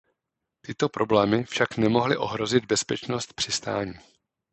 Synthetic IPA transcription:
t̪ɪt̪o̞pɾʔo̞blɛːmɪfʃaknɛmo̞ɦlɪʔo̞̰ɦɾo̞zɪd̪̚bɛspɛt͡ʃno̞st̪̚pr̥ɪst̪a̰ːɲiː

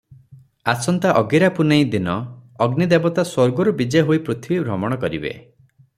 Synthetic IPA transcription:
asɔnt̪aʔɔɡiɾapunej̃d̪inɔɔɡnid̪ebɔt̪aswɔɾɡɔɾubid͡ʒejɦoipɾut̪ʰibibʱɾɔmɔɽ̃ɔkɔɾḭbḛ

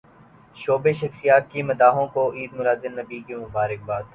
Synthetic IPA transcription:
ʃoːbeʃɐxsɪjaːt̪̚kimɐd̪aːɦõkoʔiːd̪mʊlaːd̪ɪnːɐbiːkemʊbaːɾɪk̚baːd̪

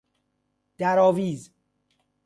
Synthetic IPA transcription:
d̪̥æɾɔːviːz

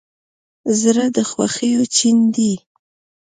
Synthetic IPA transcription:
zɾəd̪əxwa̰xəjot͡ʃind̪i

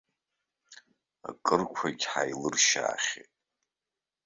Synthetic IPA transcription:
a̰kʼɨrkʷʰaɡʲħajlɨrʃaːχʲetʼ

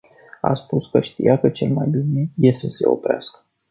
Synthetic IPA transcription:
a̰spuskəʃt̪ijakət͡ʃe̞̰lmajbineje̞st̪əse̞̰opɾea̰skə̥

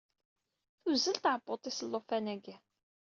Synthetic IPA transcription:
θuzːəlt̪ʕəbːot̪ˤːisəlːofænæɡæ

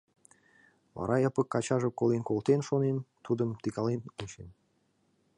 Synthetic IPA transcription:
βɑ̰ɾɑjɑpə̆kːɑt͡ɕɑʒəkolenkolt̪enʃonent̪ud̪əmt̪ikɑlenunt͡ɕen

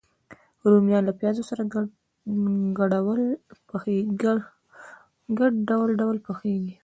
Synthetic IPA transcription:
ɾumjɑnlapjɑzosaɾa | ɡaɽawəlpxe | ɡaɖɖawlɖawlpəxeɡi

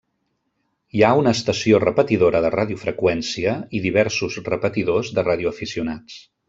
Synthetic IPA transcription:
iaunəːst̪əsiorəpət̪iðoɾəðəraðiufɾəkwɛnsiəiðiβ̞ɛɾsuzrəpət̪iðozðəraðiuəfisiunat͡s

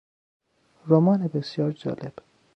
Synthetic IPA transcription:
ɾomɒːnebesjɒːɾd͡ʒɒ̰ːleb̥

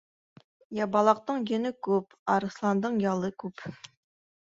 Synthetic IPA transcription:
jɑbɑlˠɑq̚t̪ɨŋjenɪkʲʰøp | ɑɾɨslˠɑnd̪ɨŋjɑlˠɨkʲʰøp

